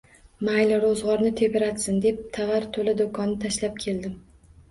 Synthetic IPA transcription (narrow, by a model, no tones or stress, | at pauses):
majlɾozʁɒɾnɪt̪ʰe̞bɪɾat̪sɪnd̪e̞p̚t̪ʰavaɾt̪ʰolad̪okʰɒnːɪt̪ʰaʃlap̚kʲʰe̞ld̪ɪm